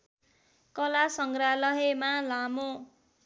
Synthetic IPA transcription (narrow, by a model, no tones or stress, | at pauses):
kʌlasʌŋɡralʌɦemalamo